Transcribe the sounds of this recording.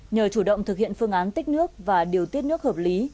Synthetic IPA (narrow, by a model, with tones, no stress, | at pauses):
ɲəː˨˩t͡ɕu˧˩ɗə̰˧˨wŋ͡mt̪ʰɨ˨k̚hḭ˧˨ənfɨ˧əŋʔaː˨˦nt̪ï˦˥k̟̚nɨ˦˥ək̚vaː˨˩ɗi˨˩əwt̪i˦˥ət̚nɨ˦˥ək̚həː˨˩p̚li˨˦